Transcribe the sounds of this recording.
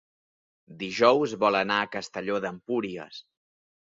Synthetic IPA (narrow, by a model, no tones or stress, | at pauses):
d̪iʒɔwzβɔlənaəkəst̪əʎoðəmpuɾiə̰s